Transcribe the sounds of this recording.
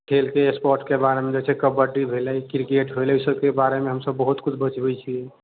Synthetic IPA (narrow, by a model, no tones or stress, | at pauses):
kʰelkeespɔɾʈkebaɾemed͡ʒet͡ʃʰɛkəbəɾɖibʱelɛkɾkeʈɦolusəbkebaɾemeɦəmsəbːəɦut̪kut͡ʃʰbət͡ʃbɛt͡ʃʰiɛ